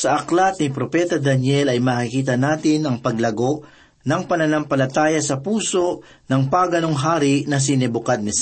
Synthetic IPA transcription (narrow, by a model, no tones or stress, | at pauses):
sɐʔɐklɐt̪̚nɪpɾopɛːt̪ɐd̪ɐnjɛlɐjmaːkɪkiːt̪ɐnaːt̪ɪnɐŋpɐɡlɐɡo̞ | nɐŋpɐnɐnɐmpɐlɐt̪aːjɐsɐpuːso̞ʔ | nɐŋpaːɡɐnoŋɦaːɾɪʔnɐs̬inɛbʊkad̪̚nɛs